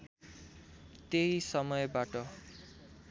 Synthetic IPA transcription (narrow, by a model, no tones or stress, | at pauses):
t̪eisʌmʌjbaʈʌ